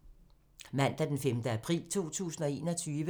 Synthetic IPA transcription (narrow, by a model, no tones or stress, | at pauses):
mæn̰d̥æd̥enfemd̥əæpʰʁḭːlt͡sʰo̝̰ːt͡sʰṵːsn̩ɒ̽e̝̰ːnɒ̽t͡sʰyːʋə